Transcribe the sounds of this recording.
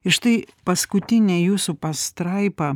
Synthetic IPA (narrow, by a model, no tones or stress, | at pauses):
ɪʃt̪ɐɪ | pɐskʊt̪ʲɪnʲɛːjuːsupɐst̪ɾɐɪpɐ